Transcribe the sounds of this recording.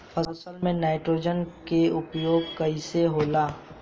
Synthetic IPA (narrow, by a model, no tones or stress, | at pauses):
fʰɐsəlmẽnaːɪʈɾoːd͡ʒənkeʊpjoːɡ̚kɐiseɦoːlaː